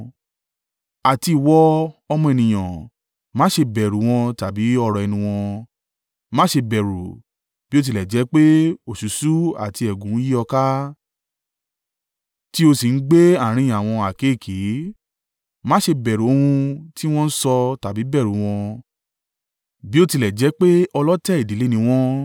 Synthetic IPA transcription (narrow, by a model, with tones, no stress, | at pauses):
a˨ti˧i˨wɔ˧˦ɔ˧mɔ̃˧e˨nĩ˨j̃ã˨ | mãː˦ʃe˧bɛ˨ɾu˨˦w̃ɔ̃˧ta˨bi˨˦ɔ˧ɾɔ˨ɛ˧nĩ˧w̃ɔ̃˧ | mãː˦ʃe˧bɛ˨ɾu˨ | b̥i˦o˦˧t̬i˧˨lɛ˨d͡ʒɛ˨˦k͡pe˦o˨ʃu˨˦su˦a̰˨ti˧ɛ˨ɡũ˨˦ji˦ɔ˧ka˦ | ti˦o˧si˨n̩˦ɡ͡be˦a˦˨ɾ̃ĩ˧˨a˨w̃ɔ̃˧a˨ke˨˦˨kʰe˨˦ | mãː˦ʃe˧bɛ˨ɾo˨o˧hũ˧ti˦w̃ɔ̃˦n̩˦sɔ˧ta˨bi˨˦bɛ˦˨ɾu˨˦w̃ɔ̃˧ | bi˦o˦˧ti˧lɛ˨d͡ʒɛ˨˦k͡pe˦ʔɔ˧lɔ˦tɛ˦˨i˨di˨˦le˦nĩ˧w̃ɔ̃˦